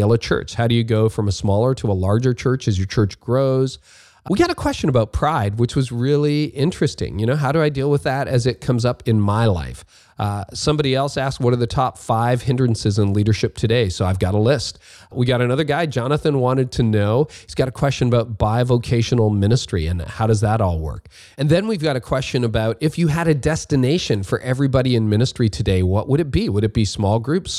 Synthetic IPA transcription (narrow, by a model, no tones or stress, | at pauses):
ɛlˠət͡ʃʰɜ̰˞t͡ʃhaʊɾɨjɨɡoʊfɹʌ̃məsmɔlˠə˞ɾəəlɑɹd͡ʒə˞t͡ʃʰɜ˞t͡ʃɨzjə˞t͡ʃʰɜ˞t͡ʃɡ̥ɹoʊz̥ | wiɡɑɾɨkʰw̥ɛst͡ʃɨ̃nəbaʊt̚pʰɹ̥aɪd̚wɨt͡ʃwʌzɹɪlˠiɪ̃nt͡ʃɹ̥ɨstɪ̰̃ŋjɨñoʊɦaʊɾɨaɪdilˠwəðɨɾɨzɨt̚kʰʌ̃mzʌpɨ̃nmaɪla̰ɪf | sʌ̃mbɑɾiɛlˠsæskwʌɾə˞ðɨtʰɑpfaɪv̥hɪ̃ndɹɨn̩sɨzə̃nliɾə˞ʃɪp̚tʰɨdeɪsoʊaɪvɡɑɾəlɪst̚ | wiɡɑɾɨnʌðə˞ɡaɪd͡ʒɑnəθɨ̃nwɑ̃ɾ̃ɨd̚tʰɨnoʊhiz̥ɡɑɾɨkʰw̥ɛst͡ʃɨ̃nəbaʊt̚b̥aɪvoʊkʰeɪʃɨn̩l̩ˠmɪ̃nɨstɹ̥ḭɨ̰̃nhaʊɾʌzðəɾɔlˠwɜ̰˞k̚ | ɨ̃nðɨ̃nwivɡɑɾɨkʰw̥ɛst͡ʃɨ̃nəbaʊɾɨfjɨɨɾɨdɛstɨneɪʃɨ̃nfə˞ʔɛvɹibɑɾiɨ̃nmɪ̃nɨstɹ̥iɾʰɨdeɪwʌʔwʔəɾɨt̚b̥iwəɾɨt̚b̥ismɔlˠɡɹʉps